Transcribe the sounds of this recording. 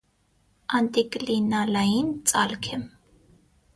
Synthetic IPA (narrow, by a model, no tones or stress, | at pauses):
ɑnt̪ʼikʼlinalɑjint͡sʼɑlkʰɛm